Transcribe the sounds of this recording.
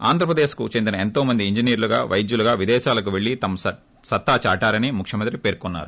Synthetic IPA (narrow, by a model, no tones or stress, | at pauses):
a̰ːnd̪ʱɾɐpɾɐd̪e̞ːʃkut͡ʃend̪inɐe̞nt̪o̞ːmɐnd̪iiɲd͡ʒiniːɾuluɡa̰ːʋʔɐjd͡ʒ̪juluɡaːʋid̪ɛːʃaːlɐk̬uʋeɭːit̪ɐmɐ | sɐt̪ːaːt͡ʃaːʈaːɾɐnimukʰʂjɐmɐnt̪ɾipe̞ːɾkunːa̰ːɾu